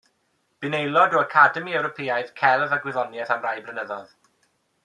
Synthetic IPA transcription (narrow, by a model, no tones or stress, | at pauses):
b̥ɪnejlˠɔdɔəkʰadəmiɛwɾɔpʰeːajð̥kʰɛlˠvaɡwɪðɔnjɛθamrajbrənəðɔð